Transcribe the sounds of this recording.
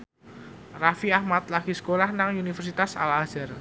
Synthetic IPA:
rafiahmat̪̚laɡisə̥kolahnaŋunifɛrsit̪asa̰laz̥ər

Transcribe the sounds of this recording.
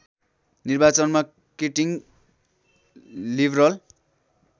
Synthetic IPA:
nirbat͡sʌnma | keʈiŋ | librʌl

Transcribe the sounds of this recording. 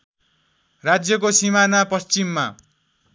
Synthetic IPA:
rad͡zjʌk̬osimanapʌst͡simːa

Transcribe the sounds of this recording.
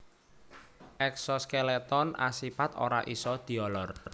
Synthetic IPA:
ʔɛksɔskelet̪ɔna̰sipat̪o̰ɾa̰ʔisɔd̪̥i̤ɔlɔr

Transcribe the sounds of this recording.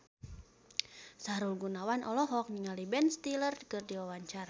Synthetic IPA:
saɾulɡunawanʔɔlɔɦɔk̚niŋalibɛnst̪ilərkɨrdiwawaɲt͡ʃar

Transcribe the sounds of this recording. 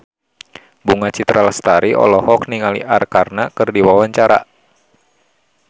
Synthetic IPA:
buŋat͡ʃit̪ɾalast̪aɾiɔ̰lɔhɔk̚niŋalḭʔarkarnakɨrdiwawaɲt͡ʃaɾa̰

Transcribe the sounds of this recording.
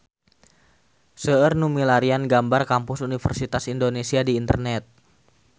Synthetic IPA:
səərnumilaɾianɡambarkampʊsunifərsit̪asindonesiadiːnt̪ərnɛt̪̚

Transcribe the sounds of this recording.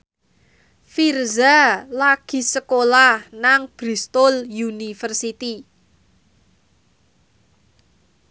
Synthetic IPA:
firzalaɡ̥i̤səkolahnaŋb̥ɾi̤st̪ɔljunifərsit̪i

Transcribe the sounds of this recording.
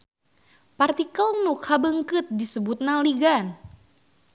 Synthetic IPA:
part̪ikəlnukhabəŋkɨt̪̚disəbut̪̚naliɡan

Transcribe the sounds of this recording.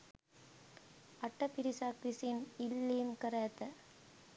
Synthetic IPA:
ɐʈːɐpɪɾɪsaːkɾɪsinɪlːiːmkɐɾeːt̪ːɐ

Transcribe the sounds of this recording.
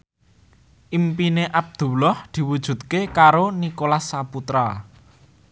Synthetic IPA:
ʔimpineʔab̚d̪̥ṳlɔhd̪̥i̤wud̥ʒ̥ṳt̪̚kekaɾonikolasːaput̪ɾa

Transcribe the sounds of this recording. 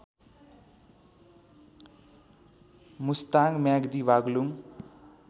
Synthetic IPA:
must̪aɡmjaɡd̪ibaɡluŋ

